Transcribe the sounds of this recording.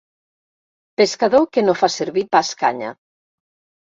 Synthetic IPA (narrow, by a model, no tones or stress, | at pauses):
peskaðokenõfaseɾβipaska̰ɲa̰